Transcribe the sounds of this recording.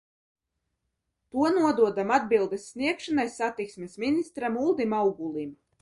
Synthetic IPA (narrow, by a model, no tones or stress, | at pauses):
t̪uɔnuɔd̪uɔd̪amad̪̚bilˠd̪esːniɛkʃanajsat̪iksmesminist̪ɾamulˠd̪imawɡulˠim